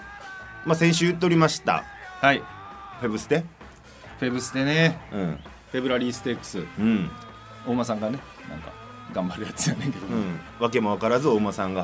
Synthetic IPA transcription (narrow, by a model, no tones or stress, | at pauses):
masẽ̞ɰ̃ɕ̬ɨːjɯt̪̬ːeoɾʲimaɕi̥t̪a̰haiɸe̞bɯ̟sɨ̥d̪e | ɸe̞bɯ̟sɨ̥d̪e̞neɯ̃ | ɸe̞bɯɾaɾʲiːsɨ̥t̪e̞kːɯ̟̥sɨɯ̟̃ɴ | o̞ːmasãŋɡane̞ | nã̰ŋka̰ | ɡãmbaɾɯ̟jat͡sɨd͡ʑanaiked̪oɯ̃ː | βake̞mo̞β̞akaɾazɨo̞ːmasãŋɡa